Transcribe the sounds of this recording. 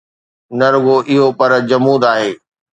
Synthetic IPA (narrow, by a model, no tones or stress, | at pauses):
nɐɾʋoʔɪɦopɐɾd͡ʑɐmuːd̪aːɦeː